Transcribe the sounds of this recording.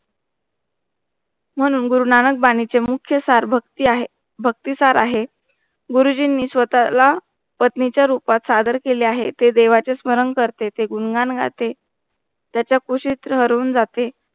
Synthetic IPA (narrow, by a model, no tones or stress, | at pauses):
m̤əɽ̃uːnɡuɾunanək̚baɽ̃it͡semukʰjəsaɾbʱət̪iaɦe | bʱək̚t̪isaɾaɦe | ɡuɾud͡ʑinːiːsʋət̪ala | pət̪nit͡ɕjaɾupat̪sad̪əɾkeleaɦet̪ed̪eʋat͡sesməɾəŋkəɾt̪et̪eɡunɡanɡʱa̰t̪e | t̪jat͡ɕjakuɕit̪ɾəɦəɾuːnd͡zat̪e